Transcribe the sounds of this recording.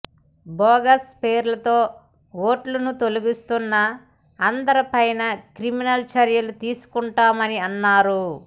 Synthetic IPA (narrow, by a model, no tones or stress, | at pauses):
bɔːɡɐspeːɾlɐt̪o̞ː | o̞ːʈlɐnut̪oluɡist̪unːɐː | nd̪ɐɾɐpɐjnɐkɾiminɐlt͡ʃɐɾjɐlut̪iːsu̥kuɳʈaːmɐniɐnːaːɾu